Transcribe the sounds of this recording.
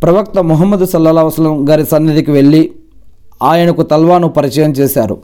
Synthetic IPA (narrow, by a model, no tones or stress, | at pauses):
pɾɐʋɐk̚t̪ɐmuɦɐmːɐd̪usɐlːɐlaːɦusɐlːɐmɡaːɾisɐnːɐd̪ikiʋe̞ɭːi | aːjɐnɐkut̪ɐlʋaːnupɐɾit͡ʃɐɛːjɐmt͡ʃɛːsaːɾṵ